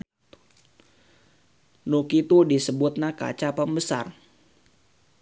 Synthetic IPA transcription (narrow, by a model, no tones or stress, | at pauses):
nukit̪udisəbʊt̪̚nahka̰t͡ʃapəmbəsa̰r